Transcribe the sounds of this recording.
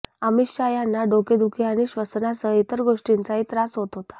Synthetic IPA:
əmiɕajanːaɖoked̪ukʰeaɽ̃iɕʋəsnasəit̪əɾɡoʂʈint͡saɦit̪ɾasɦot̪ɦot̪ḁ

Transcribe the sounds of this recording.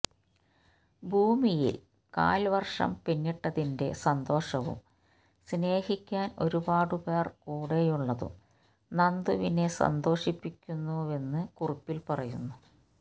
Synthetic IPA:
bʱuːmijḭl | ka̰ːlʋɐrʂɐ̰mpinːiʈːɐðinde̞̰sɐnd̪o̞ːʂɐʋṵm | sne̞ːhikʲːaːno̞ɾubaːɽɨbe̞ːrkuːɽe̞juɭːɐðṵ | nɐnd̪uʋine̞sɐ̰nd̪o̞ːʂipːikʲːunːue̞nːɨkuripːilpɐrɐjunːu

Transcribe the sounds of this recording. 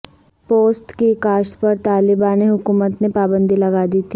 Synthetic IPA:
poːsʈkikaːʃpɐɾt̪aːlɪbaːneɦʊkuːmət̪nepaːbə̃nd̪ʱilɐɡaːd̪iːt̪ʰi

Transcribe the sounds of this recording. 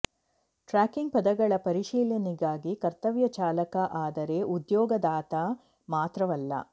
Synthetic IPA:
ʈɾaːkiŋɡ̚pɐd̪ɐɡɐɭɐpɐɾiʃiːlɐniɡaːɡikɐɾt̪ɐʋjɐt͡ʃaːlɐkɐʔaːd̪ɐɾe̞ʔud̪jɔːɡɐd̪aːt̪a | maːt̪ɾɐʋɐlːɐ̰

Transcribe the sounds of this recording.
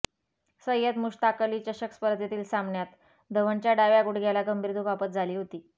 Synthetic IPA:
səjəd̪muʂt̪akəliːt͡ɕəɕəkspəɾt̪jet̪iːlsambɳjat̪ | d̪ʱəʋəɳt͡ɕjaɖaʋjaɡuɽɡʱjalaɡəmbʱiɾd̪ʱukʋapət̪̚d͡zʱaliːɦot̪iː

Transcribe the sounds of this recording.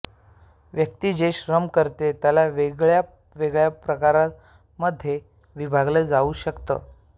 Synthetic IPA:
ʋjək̚t̪iːd͡ʑeɕɾəmkəɾt̪et̪jalaʋeɡɭja | ʋeɡɭjapɾəkaɾa | məd̪ʱːje | ʋibʱaɡləd͡zauːɕəkt̪ə̰ː

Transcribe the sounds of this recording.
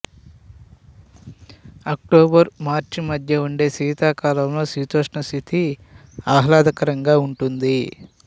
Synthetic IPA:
ɐk̚ʈoːbɐɾmaːɾt͡ʃimɐd̪ʱjɐuɳɖe̞ːsiːt̪aːkaːlɐmlo̞ːsiːt̪oːʂɳɐst̪ʰit̪i | aːɦlaːd̪ɐkɐɾɐŋɡaːuɳʈund̪i

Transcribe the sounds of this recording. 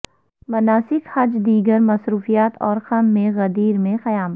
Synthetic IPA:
mɐnaːsɪkhɐd͡ʒd̪iːɡəɾmɐsɾuːfijaːt̪ɔːɾxɐmːẽɣɐd̪iːɾmẽxɐjaːm

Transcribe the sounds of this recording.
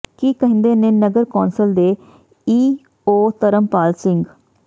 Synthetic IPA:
kiːkəɦɪ̃nd̪eːneːnəɡəɾkɔːnsəld̪eː | iː | oːt̪əɾəmpaːlsɪŋɡ

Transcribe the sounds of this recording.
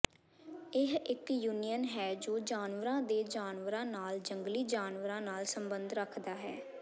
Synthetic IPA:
ɪɦɪkjuːnijənɦɛːd͡ʒoːd͡ʒaːnʋəɾãːd̪eːd͡ʒaːnʋəɾãːnaːld͡ʒəŋɡliːd͡ʒaːnʋəɾãːnaːlsəmbənd̪ɾəkʰd̪aːɦɛː

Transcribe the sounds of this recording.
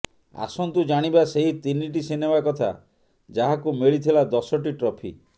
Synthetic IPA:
a̰sɔnt̪ud͡ʒaɽ̃ibaseɦit̪iniʈisenebakɔt̪ʰa̰ | d͡ʒaɦakumeɭit̪ʰilad̪ɔsɔʈiʈɾɔpʰḭ

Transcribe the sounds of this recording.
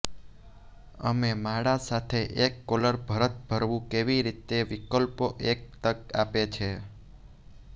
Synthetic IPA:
əmemaɽasat̪ʰeʔekːoləɾbʱəɾət̪̚bʱəɾʋũkeʋiɾit̪eʋikəlpoʔek̚t̪əkapet͡ʃʰe

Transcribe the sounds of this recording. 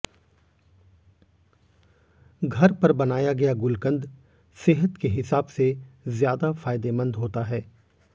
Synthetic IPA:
ɡʱɐɾpɐɾbɐnaːjaɡɐjaɡʊlkə̃nd̪ | seːɦət̪keɦɪsaːbsezjaːd̪afaːɪd̪emɐ̃nd̪ɦoːt̪aɦɛː

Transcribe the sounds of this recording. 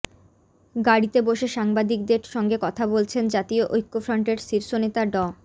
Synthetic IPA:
ɡaɽit̪eboʃeʃaŋbad̪ik̚d̪eɾʃɔŋɡekɔt̪ʰabolt͡ɕʰend͡ʑat̪ioʔojkːofɾɔɳʈeɾʃiɾʃonet̪aɖɔ

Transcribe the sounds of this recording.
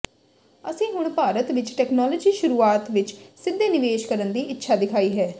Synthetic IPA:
əsĩːɦʊɳpaːɾət̪ʋɪt͡ʃʈɛːknaːlɔːd͡ʒiːʃʊɾuːaːt̪ʋɪt͡ʃsɪd̪ːeːnɪʋeːʃkəɾənd̪iːʔɪtːʃʰaːd̪ɪkʰaːiːɦɛː

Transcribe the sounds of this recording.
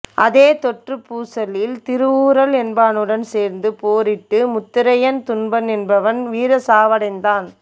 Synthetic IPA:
ʔɐðeːt̪ɔʈrɯpuːsɐlɪlt̪ɪɾɯuːɾɐlɛnbaːnɯɽɐnseːɾnd̪ɯpoːɾɪʈːɯmʊt̪ːɪɾɐjɐnt̪ʊnbɐnɛnbɐʋɐnʋiːɾɐsaːʋɐɽɐɪnd̪aːn

